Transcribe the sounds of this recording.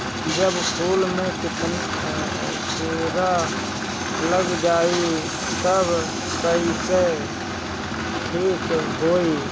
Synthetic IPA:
d͡ʒəbsuːlmẽkɪt | suɾa | ləɡd͡ʒaːi | t̪əb | kəise | ʈʰiːkɦoːiː

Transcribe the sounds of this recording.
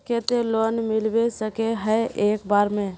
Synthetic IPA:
ket̪elonmilbesəkeɦəeːkbaːɾmẽ

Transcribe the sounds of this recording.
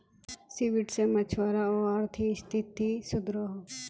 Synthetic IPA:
siʋɪʈsemɐt͡ʃʰwaːɾaoaɾt̪ʰist̪ʰit̪ːisʊd̪ɾoɦo

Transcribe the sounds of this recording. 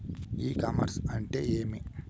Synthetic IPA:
iːkɐmɐ̰ɾsɐɳʈḛːeːmi

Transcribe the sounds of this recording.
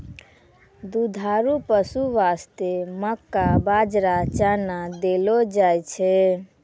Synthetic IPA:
d̪ud̪ʱaɾupəsuʋast̪eməkːabad͡ʒɾat͡ʃanad̪elɔd͡ʒajt͡ʃʰɛ

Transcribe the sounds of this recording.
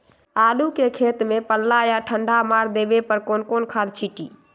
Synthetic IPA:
alukekʰet̪mepəlːajaʈʰəɳɖʱamaɾd̪ebepəɾkonkonkʰad̪t͡ʃʰiʈḭː

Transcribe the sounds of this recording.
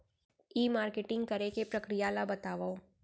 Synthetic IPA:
iːmaːɾkeʈɪ̃ŋɡ̚kɐɾekepɾɐkɾijalabɐt̪aːʋao

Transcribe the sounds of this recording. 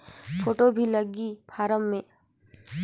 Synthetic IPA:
pʰoːʈobʱiləɡipʰaːɾəmːẽ

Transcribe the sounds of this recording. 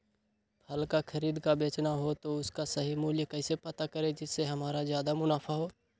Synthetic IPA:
pʰɐlkakʰɐɾiːd̪kabeːt͡ʃnaɦot̪oʊskasɐɦimuːljəkɛːsepɐt̪akɐɾed͡ʒɪsːeɦɐmaːɾazjaːd̪amʊnaːfʰaɦoː

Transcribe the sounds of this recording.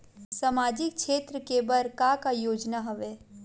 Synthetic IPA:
sɐmaːd͡ʒɪk̚ʃʰeːt̪ɾəkeːbəɾkakajoːd͡ʒnaɦɐʋeː

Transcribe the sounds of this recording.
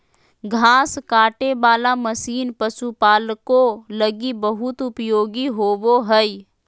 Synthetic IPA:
ɡʱaːskaːʈebaːlaməsiːnpəsupaːlkoləɡibəɦʊt̪ʊpjoːɡiɦoːboɦɛi

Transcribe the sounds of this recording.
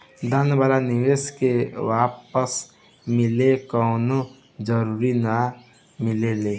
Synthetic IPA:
d̪anbalaniʋeskewapəs | mɪlekɔʊno | d͡ʒəɾuɾina | mɪlele

